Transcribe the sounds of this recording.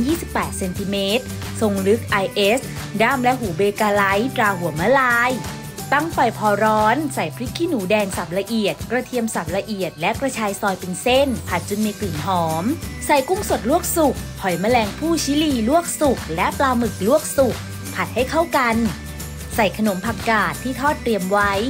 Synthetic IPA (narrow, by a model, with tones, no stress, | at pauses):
jiː˥˩si˨˩pːɛː˨˩t̪̚se˧nt̪ʰiː˧meː˦˥t̪̚ | so˧ŋlɯ˦˥k̚ʔa˧jʔe˦˥s | daː˥˩mlɛ˦˥ɦuː˩˦beː˧kaː˧la˦˥jt̪ɾaː˧ɦu˨˩˦ma˦˥laː˧j | t̪a˥˩ŋpa˨˩jpʰɔː˧ɾɔː˦˥nsa˨˩˦jpʰɾi˦˥kʰːiː˧˥˩nuː˩˦dɛː˧ŋsa˨˩p̚la˧ʔi˨˩ət̪̚kɾa˧t̪ʰi˧əmsa˨˩p̚la˧ʔi˨˩ət̪̚lɛ˦˥kɾa˧t͡ɕʰaː˧jsɔː˧jpe˧nse˥˩npʰa˨˩t̪̚t͡ɕo˧nmiː˧kli˨˩nɦɔː˩˦msa˨˩˦jku˥˩ŋso˨˩t̪̚lu˥˩ək̚su˨˩k̚hʰɔ˨˩˦jmaː˧˥lɛː˧ŋpʰuː˥˩t͡ɕʰiː˦˥liː˧˩lu˥˩ək̚su˨˩k̚lɛ˦˥plaː˧mɯ˨˩k̚lu˥˩ək̚su˨˩k̚ | pʰa˨˩t̪̚ha˥˩jkʰa˥˩wka˧n | sa˨˩jkʰa˧no˩˦mpʰa˨˩kːaː˨˩t̪ʰːiː˥˩t̪ʰɔː˥˩t̪ːɾi˧əmwa˦˥j